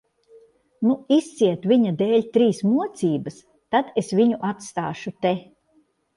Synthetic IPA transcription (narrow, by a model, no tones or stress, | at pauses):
nuist̪siɛt̪vʲiɲad̪eːlʲt̪ɾiːsmuɔt̪siːbəs | t̪ad̪esviɲuʔat̪st̪a̰ːʃut̪e